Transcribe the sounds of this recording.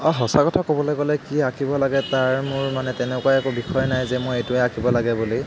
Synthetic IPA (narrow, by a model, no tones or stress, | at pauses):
ɔɦɔsakɔtʰakobɔlojɡɔlɛkiakʰibɔlaɡɛtaɹmʊɹmanɛtɛnɛkwajɛkɔbixɔjnajzɛmʊejtʊɛakʰibɔlaɡɛboloj